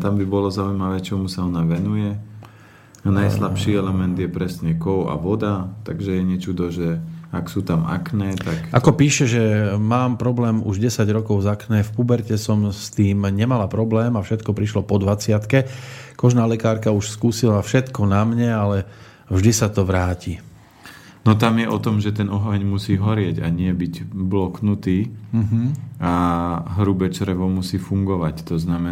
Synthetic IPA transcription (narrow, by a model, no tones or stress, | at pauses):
t̪ambibɔlɔzaujmaʋɛːt͡ʃɔmusaɔnaʋɛnujɛ | najslapʃiːɛlɛmɛnd̪jɛpɾɛsɲɛkɔʊa̰ʋɔd̪at̪aɡʒɛjɛɲɛt͡ʃud̪ɔʒɛaksuːt̪ama̰knɛːt̪akʔakɔpiːʃɛʒɛmaːmpɾɔblɛːmuʒɟɛsaɟɾɔkɔʊzaknɛːfpubɛɾcɛsɔmst̪iːmɲɛmalapɾɔblɛːmafʃɛt̪kɔpɾiʃlɔpɔd̪ʋat͡sɪat̪kɛkɔʒnaːlɛkaːɾkauʃskuːsilafʃɛt̪kɔnamɲɛalɛ | vʒd̪isat̪ɔʋɾaːci | nɔt̪amjɛʔɔt̪ɔmʒɛt̪ɛnɔɦaɲmusiːɦɔɾɪɛɟa̰ɲɪɛbiɟblɔknut̪iːɦaɦɾubɛt͡ʃɾɛʋɔmusiːfuŋɡɔʋact̪ɔznamɛ